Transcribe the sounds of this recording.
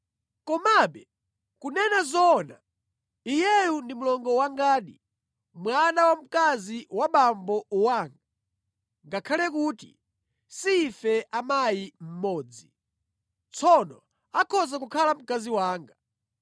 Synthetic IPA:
kɔmaɓɛ | kunɛnazɔna | ijɛjundimulɔŋɡɔwaŋɡaːɗi | mwanawam̩kaziwaɓambɔuwaːŋɡa | ŋɡakʰalɛkuːtḭ | siːfɛʔamajim̩mɔːd͡zi | t͡sʰɔnɔ | akʰɔzakukʰalam̩kaziwaːŋɡa

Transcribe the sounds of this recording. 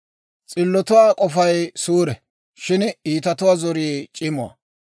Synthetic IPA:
t͡sʼɪlːɔt̪ʊwaːkʼɔfɐjsuːɾɛ | ʃɪniːt̪ɐt̪ʊwazɔɾiːt͡ʃʼɪmʊɐ̰

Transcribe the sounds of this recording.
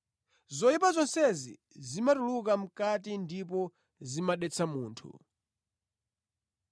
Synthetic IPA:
zɔjipazɔnsɛzḭ | zimatulukam̩katindipɔ | zimaɗɛt͡sʰamuːntʰṵ

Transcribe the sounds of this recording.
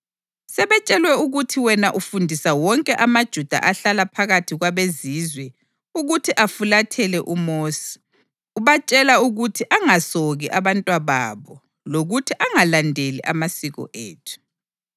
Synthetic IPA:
sɛβɛt͡ʃʼɛlwɛuɣutʰiwɛnaʔufundʱisawɔŋkʼɛʔamad̥ʒ̥ʱud̥ʱa̰ʔaɬalapʰaɣatʰiɣwaβezizwɛ | uɣutʰiʔafulatʰɛlɛʔumoːsi̥ | uβat͡ʃʼɛlauɣutʰiʔaŋasoɣiʔaβantʼwaβa̰ːβɔ | loɣutʰiʔaŋalandʱelḭʔamasiɣɔ̰ʔḛːtʰu̥

